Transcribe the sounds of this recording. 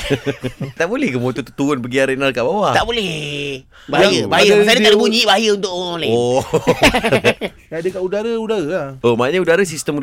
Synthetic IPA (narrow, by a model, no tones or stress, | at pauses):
t̪aʔbolɛhkəmot̪ut̪ut̪uʊnpəɡiaɾenalkaʔbawat̪aʔbolɛ | baajəbaajəsadəaʔdəbuɲibaajəunt̪ʊʔlao | adəkaʔudaɾəudaɾəaomaaɲaudaɾəsist̪əmu